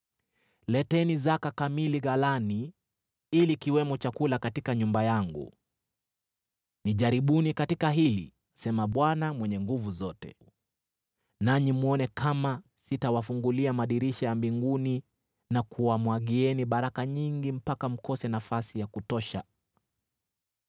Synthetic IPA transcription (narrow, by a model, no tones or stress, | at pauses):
lɛtɛnizakakamiliɣalani | ilikiwɛmɔt͡ʃakulakatikaɲumbajaŋɡṵ | niʄaɾiɓunikatikaɦilḭ | asɛmaɓwanamwɛɲɛŋɡuvuzɔtɛ̰ | naɲimuɔnɛkʰama | sitawafuŋɡuliamaɗiɾiʃajambiŋɡuni | nakʰuamwaɠiɛniɓaɾakaɲiŋɡim̩pakam̩kɔsɛnafasijakutɔʃa̰